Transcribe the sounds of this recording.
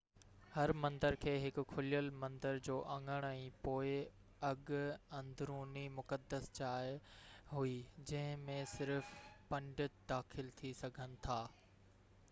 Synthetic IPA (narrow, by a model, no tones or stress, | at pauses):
hɐɾmɐ̃nd̪əɾkʰeːɦɪkʊkʰʊlijəlmɐ̃nd̪əɾd͡ʑoːʔɐ̃ŋɡəɽ̃ɛ̃ːpoːɪ | ɐɠɐ̃nd̪ʱɾuːnimʊkəd̪əst͡ɕaːjɦuid͡ʑɐ̃ɦɪ̃mẽsɪɾfpɐ̃ɳɖɪt̪d̪aːxɪlt̪ʰisɐɡʱənɪ̆t̪ʰaː